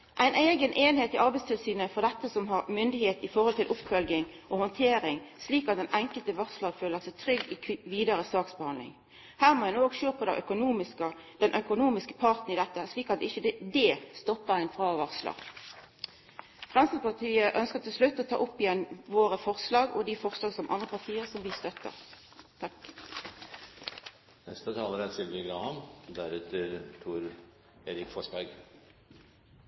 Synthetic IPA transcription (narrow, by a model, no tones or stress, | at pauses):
ʔæɪnʔæɪɡənʔeːnheːt̪ɪʔɑʁbæɪst̪ʰɪlsyːnəfɔʁd̪ɛt̪ːəsɔmɦɑʁmʏnd̪ɪheːt̪ɪfɔʁhɔlt̪ʰɪlʔʊpfœlɡɪŋʔɔhɔnt̪ʰeːɾɪŋsliːkɑt̪̚d̪ɛnʔæŋkəlt̪əʋɑʁslɑːɡføːləʁsɛt̪ʰʁʏɡːɪʋiːd̪ɑɾəsɑːksbəhɑnd̪lɪ̰ŋ | hæːʁmɔːjɛnoːɡʃøːpʰɔd̪ɛ̰ʔœkʊnuːmɪskəd̪ɛnʔœkʊnuːmɪskə̥pʰɑʁt̪n̩ɪd̪ɛt̪ːəsliːkɑt̪̚ɪçəd̪est̪ɔpːəʁæɪnfʁɑːʋɑʁslɑ̰ː | fʁɛnsəspɑʁt̪ʰiːəʔœnskət̪ʰɪlslʉt̪ːɔt̪ʰɑ̰ːʔʊpːɪjɛnːʋoːʁəfɔʁslɑːɡɔ̰d̪ifɔʁslɑːɡsɔmʔɑnʁəpɑʁt̪ʰiːəʁsɔmʋist̪œt̪ːə̰ʁ | t̪ʰɑ | nɛ̰st̪ət̪ʰɑːləɾæsɪlʋəɡɾɑːhɑnd̪æɾʉːt̪ʰəɾt̪ʰuːɾ | eːɾɪkfɔʂbæɡ